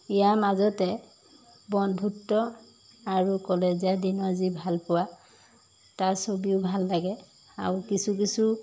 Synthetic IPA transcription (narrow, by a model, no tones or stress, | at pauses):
ijamazɔtɛ | bɔnbʱutːɔ | aɹukɔleziadinɔzibʱalpʊwa | tasobiʊbʱalːaɡɛ | a̰ɹukisukisu